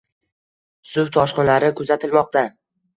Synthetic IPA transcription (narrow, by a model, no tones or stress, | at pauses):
sʊwt̪ʰɒʃqɨnlaɾɪkʰʊzat̪ʰɪlmɒq̚t̪a